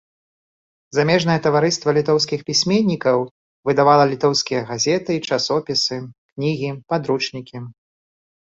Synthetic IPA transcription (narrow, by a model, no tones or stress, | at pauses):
zamʲɛʐnɐjɛt̪ɐvaɾɨst̪vɐlʲit̪ɔws̬kʲixpʲisʲmʲenʲːikɐw | vɨd̪avalˠɐlʲit̪ɔwskʲijɐɣazʲɛt̪ɨt͡ʂasɔpʲisɨknʲiɣʲipad̪ɾut͡ʂnʲikʲi